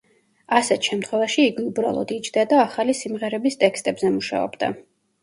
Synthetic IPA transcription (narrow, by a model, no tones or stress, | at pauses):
asɛt̪ʰʃɛmt̪ʰχwɛvaʃiːɡiubɾa̰lˠɔ̰d̪it͡ʃʰd̪ad̪aːχalisimʁɛɾɛbist̪ʼɛkst̪ʼɛbzɛmuʃa̰ɔ̰bd̪a̰